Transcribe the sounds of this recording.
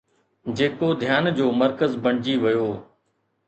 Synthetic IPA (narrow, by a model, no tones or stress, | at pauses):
d͡ʑeːkod̪ʱjaːnd͡ʑoːməɾkəzbɐɳ̃d͡ʑiːʋɐjoː